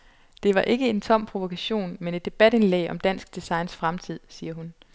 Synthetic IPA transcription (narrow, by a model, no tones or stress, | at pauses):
d̥e̝ʋɑ̈ʔe̝ɡ̥əe̝nt͡sʰɒ̽m̰pʰʁo̝ʋo̝kʰæɕo̝̰ːnmene̝d̥e̝b̥æd̥enlɛ̰ːɒ̽md̥æn̰sɡ̥̚d̥isɑ̈ɪnsfʁamt͡sʰið̞̰ˠsiːɐɦun